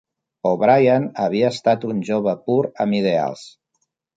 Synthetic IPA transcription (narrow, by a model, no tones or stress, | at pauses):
oβɾajanəβiəːst̪at̪unʲʒoβ̞əpuɾə̰mið̞ea̰lˠs